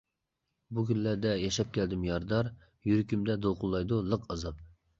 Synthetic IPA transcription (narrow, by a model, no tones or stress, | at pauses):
bukʲynːæɾd̪ɛjɛʃɛp̚kʲʰɛld̪ɪmjɑɾd̪ɑɾ | jyɾkʲymd̪ɛd̪olˠqʊlˠːɑjd̪ulˠəqəzɨp̚